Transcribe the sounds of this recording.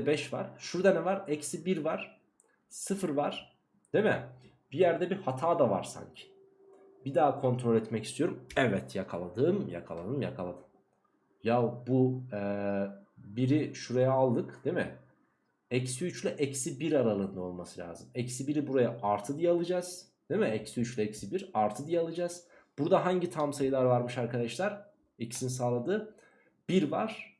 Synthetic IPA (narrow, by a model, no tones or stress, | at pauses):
bɛʃva̰ɾ̥ʃuɾd̪anɛvaɾɛcsibiɾvaɾ̥ | sɯfɯɾvaɾ̥ | d̪̥emɪ̰ | b̥ijæɾd̪ɛbiɾhat̪ʰaːd̪ava̰ɾ̥sa̰ɲcʰɪ̥ | bid̪aːkʰo̞nt̪ʰɾo̞lʲɛt̪mɛcist̪ʰijo̞ɾumɛvɛt̪jakʰalˠad̪ɯːmja̰kʰa̰lˠad̪ɯmjakʰalˠad̪ɯm | jabuɛ | biɾiʃuɾajaːlˠd̪ɯkd̪̥emɪ̰ | ɛcsiyt͡ʃlʲɛʔɛcsibiɾaɾalˠɯːnd̪ao̞lˠmasɯlʲa̰ːzɯmɛcsibiɾibuɾajaʔaɾt̪ʰɯd̪ijalˠɯd͡ʒaːz̥ | d̪̥emiɛcsiyt͡ʃlʲɛɛcsibiɾaɾt̪ʰɯd̪ijalˠɯd͡ʒaːz̥ | b̥uɾd̪aɦaɲɟit̪ʰamsajɯlˠaɾvaɾmɯʃaɾkʰad̪aʃlʲaɾ̥ | ɛcsinsaːlˠad̪ɯː | b̥iɾva̰ɾ̥